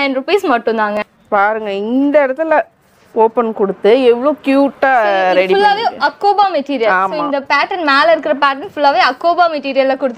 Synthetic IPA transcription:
nɐɪnɾʊpeːsmɐʈːɯ̃nd̪aːŋɡɐ | paːɾɯŋɡɐɪnd̪ɐɪɽɐt̪ːɪl | oːpɐnkɔɽɯt̪ːɯɛʋːɐɭokjuːʈːaːɾɛɽɪfʊlːaːʋeːɐkːoːbaːmɛʈiːɾɪjɐlaːmɪ̃nd̪ɐpaːʈɐnmaːlɐɪɾɯkːɪɾɐpaːʈɐnfʊlːaːʋeːɐkːoːbaːmɛʈiːɾɪjɐlɐkʊɽɯt̪ː

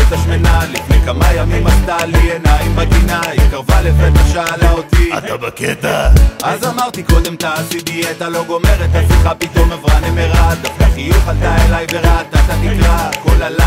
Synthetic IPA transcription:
et̪aʃmenalifnejkamajamimast̪alienajimbaɡinaikaʁvalevet̪aʃaːlaot̪iat̪abaket̪aʔazamaʁt̪iko̞d̪e̞mt̪aːsid̪iat̪alo̞ɡo̞me̞ʁet̪hasiχapit̪omavʁanemeʁad̪afkaχijuχald̪aelajveʁat̪at̪anikʁako̞lala

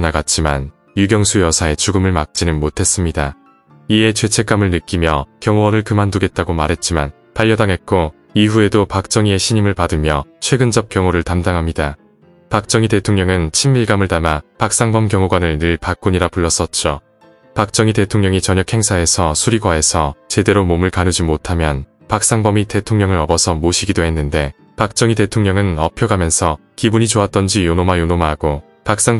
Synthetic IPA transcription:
naɡat̚t͡ɕ͈ima̰n | juɡjʌŋsʰujʌsʰae̞t͡ɕuɡɯmɯɭmak̚t͡ɕ͈inɯnmotʰe̞s͈ɯmɲida | ie̞t͡ɕʰwe̞t͡ɕʰe̞k͈amɯɭnɯk͈imjʌkjʌŋowʌnɯɭkɯmanduɡe̞t̚t͈aɡomaɾɦe̞t̚t͡ɕ͈iman | paʎːʌdaŋɦe̞t̚k͈o | iɸue̞dopak̚t͡ɕ͈ʌŋie̞ɕʰiɲimɯɭpadɯmjʌ̰t͡ɕʰwe̞ɡɯnd͡ʑʌp̚k͈jʌŋoɾɯɭtamdaŋɦamɲida | pak̚t͡ɕ͈ʌŋite̞tʰoŋɲʌŋɯnt͡ɕʰimːiɭɡamɯɭtamapak̚s͈aŋbʌmkjʌŋoɡwanɯɭnɯɭpak͈uɲiɾapuɭːʌs͈ʌt̚t͡ɕ͈o | pak̚t͡ɕ͈ʌŋite̞tʰoŋɲʌŋit͡ɕʌɲʌk̚ʰhe̞ŋsʰae̞sʰʌsʰuɾiɡwaesʰʌt͡ɕe̞de̞ɾomomɯɭkanɯd͡ʑimotʰamjʌn | pak̚s͈aŋbʌmite̞tʰoŋɲʌŋɯɾʌbʌsʰʌmoɕʰiɡidoɦe̞nːɯnde̞ | pak̚t͡ɕ͈ʌŋite̞tʰoŋɲʌŋɯnʌpʰjoɡamjʌnsʰʌ | kibuɲit͡ɕoat̚t͈ʌnd͡ʑijonomajonomaɦːɡ̥o | pak̚s͈aŋ

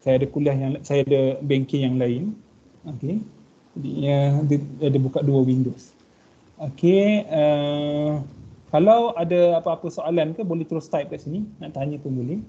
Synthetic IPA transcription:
sajaadakuliahjaŋsajadabɛŋkɪŋjaŋlaɪn | oke | d͡ʒadiɲədadabukaʔ̪̚duəwindos | okeə | kalawadaapaapəsoalankəbolɛht̪əɾʊst̪ajp̚kaʔsininaʔt̪aɲə̃pəmbulɛh

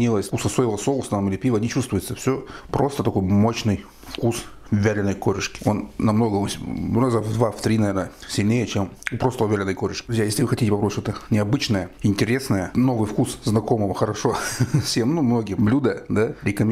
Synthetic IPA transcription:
nʲilˠəsʲkusɐsojɪvəsolˠəst̪amilʲɪpʲivənʲɪt͡ɕust̪vʊjɪt̪səfsʲopɾo̞st̪ət̪ɐko̞jmo̞ɕnɨj | fkus | vʲælʲɪnəjkoɾʲɪʂkʲɪ̥o̞nːɐmno̞ɡəʊsʲnazəvd̪vaft̪ɾʲinɐvʲenəsʲɪlʲnʲejət͡ɕempɾost̪əəvʲælʲɪnəjkoɾʲɪʂkʲɪ̥ɾʊzʲjajesʲlʲɪvɨxɐtʲitʲɪpɐpɾoʃt̪ot̪ənʲɪɐbɨt͡ɕnəjəɪnʲtʲɪɾʲe̞snəjəno̞vɨjfkusznɐko̞məvəxəɾɐʂo̞fsʲemnumno̞ɡʲɪblʲud̪əd̪aɾʲɪkəmʲ

